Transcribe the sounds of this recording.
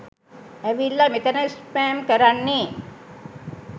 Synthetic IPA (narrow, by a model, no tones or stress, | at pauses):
æʋilːamet̪ɐnəspæːmkəɾanːe